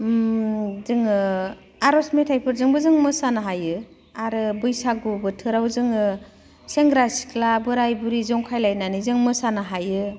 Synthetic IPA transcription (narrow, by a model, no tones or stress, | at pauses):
zɯŋɯ | aɾɔsmetʰajpʰɯɾzɯŋbɯzɯŋmɯsanaɦajɯ | aɾɯbɯjsaɡubɯtʰɯɾawzɯŋɯ | seŋɡɾasi̥klabɯɾajbuɾizɔŋkʰajlajnanizɯŋmɯsanɯɦajɯ